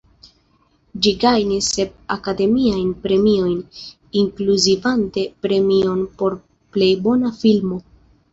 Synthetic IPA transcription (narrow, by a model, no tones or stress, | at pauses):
d͡ʒiɡajnisːe̞p̚akade̞miajnpɾe̞mio̞jn | iŋkluzivante̞pɾe̞mio̞npo̞ɾ | ple̞jbo̞nafilmo̞